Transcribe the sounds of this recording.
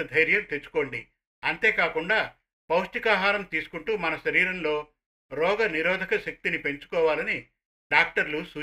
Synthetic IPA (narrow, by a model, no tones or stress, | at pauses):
ɐd̪ʱɐjɾjɐmt̪et͡ʃːu̥koːɳɖi | ɐnt̪e̞ːkaːkuɳɖaː | pɐwʂʈ̪ikaːɦaːɾɐmt̪iːsu̥kuɳʈuːmɐnɐʃɐɾiːɾɐnlo̞ː | ɾɔːɡɐniɾɔːd̪ʱɐkɐʃɐk̚t̪inipe̞ɲt͡ʃu̥kɔːʋaːlɐni | ɖaːk̚ʈɐɾlusuː